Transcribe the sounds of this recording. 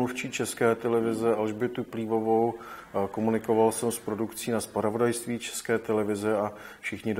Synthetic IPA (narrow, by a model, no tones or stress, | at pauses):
uft͡ʃiːt͡ʃɛskɛːt̪ɛlɛvɪzɛʔalʒbɪt̪upliːvo̞vo̞wkomunɪkovalsɛmspɾo̞dukt͡siːnaspɾavo̞dajst̪viːt͡ʃɛ̥skɛːt̪ɛlɛvɪzɛafʃɪxɲɪ